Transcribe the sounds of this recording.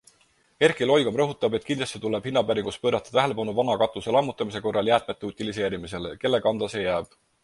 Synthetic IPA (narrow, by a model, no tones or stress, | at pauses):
erkilo̞jɡɑmrɤ̞ɦut̪ːˑɑbe̞t̪̚ˑkind̪lɑst̪i̥t̪ule̞b̥hinːɑbæɾiŋɡ̥uspø̞ːɾɑt̪ːˑɑ̥t̪æɦele̞pɑnuvɑnɑkɑt̪ˑːuse̞lɑmːut̪ːˑɑmis̬e̞ko̞rːɑljæːt̪̚ˑme̞t̪ːeut̪ʲilis̬e̞ːɾimise̞leke̞lːe̞kɑnd̪ɑse̞jæːb̥